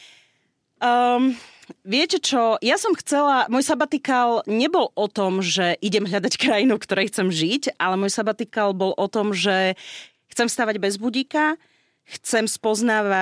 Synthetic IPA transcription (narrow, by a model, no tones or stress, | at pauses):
ʋɪɛcɛt͡ʃɔjasɔmxt͡sɛlamɔjsabat̪ikalɲɛbɔlɔt̪ɔmʒɛʔiɟɛmɦʎad̪ackɾajinukt̪ɔɾɛjxt͡sɛmʒiɟʔalɛmɔjsabat̪ikalbɔlʔɔt̪ɔmʒɛ | xt͡sɛmst̪aːʋaɟbɛzbuɟiːka | xt͡sɛmspɔznaːʋa